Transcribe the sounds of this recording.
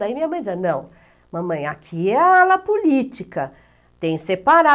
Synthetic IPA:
aimĩɲɐmɐ̃j̃d͡ʒ̪isɐnɐ̃w̃ | mɐ̃mɐ̃j̃akʰiɛalɐpolit͡ʃikɐ | t̪ẽj̃sepaɾa

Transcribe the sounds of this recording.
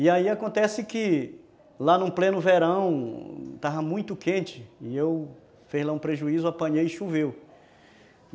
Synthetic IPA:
ɪaiakõnt̪ɛsɪkɪ | lanũplẽnʊveɾɐ̃w̃t̪avɐmũj̃t̪ʊkẽnt͡ʃɪɪew | fezlaũpɾeʒuizʊapɐ̃ɲejɪʃuvew

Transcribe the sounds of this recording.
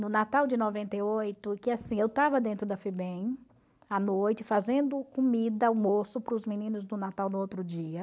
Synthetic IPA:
nʊnat̪awd͡ʒɪnɔvẽnt̪ejojt̪ʊkɪasĩewt̪avɐd̪ẽnt̪ɾʊd̪ɐfebẽj̃ | anojt͡ʃɪfazẽnd̪ʊkomid̪ɐʊmosʊpɾʊzminĩnʊzd̪ʊnat̪awnʊowt̪ɾʊd͡ʒiɐ

